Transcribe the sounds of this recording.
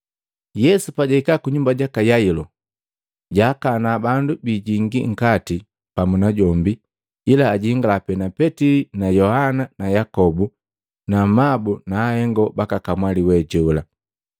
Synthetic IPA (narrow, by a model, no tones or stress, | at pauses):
jɛsupaɟaikakuɲumbaɟakajailɔ | ɟaːkanabandubiɟiŋɡiŋ̩kati | pamunaɟɔmbi | ilaːɟiŋɡalapɛnapɛtilinajɔhananajakɔbu | namabunaːhɛŋɡɔbakakamwaliwɛɟɔla